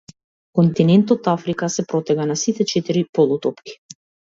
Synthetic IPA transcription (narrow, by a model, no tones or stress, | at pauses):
kɔnt̪inɛnt̪ɔt̪afɾikasɛpɾɔt̪ɛɡanasit̪ɛt͡ʃɛt̪iɾipɔlˠut̪ɔpki̥